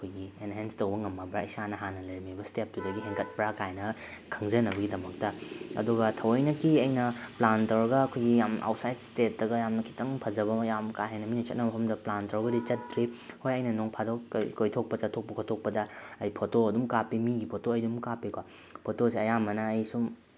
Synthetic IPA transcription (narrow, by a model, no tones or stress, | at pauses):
ɐkʰojɡienɦenstɐwbɐŋɐmːɐbɾaisanɐɦanɐlɐɾmibɐstep̚tudɐɡiɦeŋkɐt̚pɐɾakajnɐkʰɐŋzɐnɐbɐɡidɐmɐk̚tɐɐ̰duɡɐtʰɐwɐjnɐkiɐjnɐplantɐɾɐɡɐːkʰojɡijama̰wtsajtstet̚dɐɡɐjamnɐkʰi̥tʰɐŋpʰɐzɐbɐjamkaɦenɐminɐt͡ʃɐt̚nɐbɐpʰɐmdɐplantoɾɡɐdit͡ʃɐt̚dɾihojɐjnɐnoŋpʰadokːkojtʰok̚pɐt͡ʃɐtʰːok̚pɐkʰotʰːok̚pɐdɐɐjpʰotoɐdumkapimiɡipʰotoɐjdumkapikwa | pʰotosiɐjamɐnɐːjsum